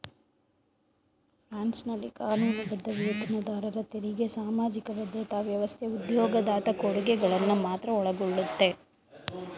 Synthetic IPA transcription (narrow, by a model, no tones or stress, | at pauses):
pɾaːnsnɐlːikaːnuːnɐbɐd̪ːɐʋeːt̪ɐnɐd̪aːɾɐɾɐt̪eɾiɡe̞saːmaːd͡ʒikɐʋɐd̪jɐt̪aːʋjɐʋɐst̪ʰeud̪jɔːɡɐd̪aːt̪ɐkoɽuɡɛɡɐɭɐnːumaːt̪ɾɐɔɭɐɡɔɭːut̪ːe̞